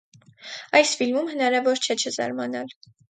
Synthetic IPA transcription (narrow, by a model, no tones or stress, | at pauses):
ɑjsfilmumhənɑɾɑvɔɾt͡ʃʰɛt͡ʃʰəzɑ̰ɾmɑnɑl